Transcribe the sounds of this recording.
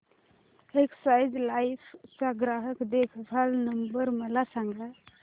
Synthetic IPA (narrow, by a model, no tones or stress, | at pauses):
eksajd͡ʒlajpʰt͡saɡɾaɦəkd̪ekʰbʱalnəmbəɾməlasãŋɡʱa